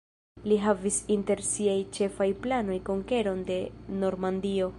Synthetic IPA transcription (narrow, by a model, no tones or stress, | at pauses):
liɦavisinte̞ɾsiajt͡ʃe̞fajplano̞jko̞ŋke̞ɾo̞nde̞no̞ɾmandio̞